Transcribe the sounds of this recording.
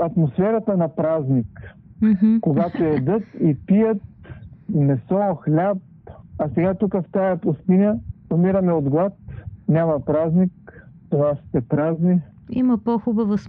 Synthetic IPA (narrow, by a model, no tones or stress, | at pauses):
ɐt̪mosfɛɾɐt̪ənɐpɾaznik | koɡat̪oɛd̪ɤt̪ipijət̪̚ | mɛsɔxlʲap̚ɐsɛɡat̪ukəft̪ajɐpʊst̪inʲəomiɾɐmɛod̪ɡlˠat̪̚nʲamɐpɾaznik | t̪onast̪ɛpɾazni | ḭməpoxubəvəs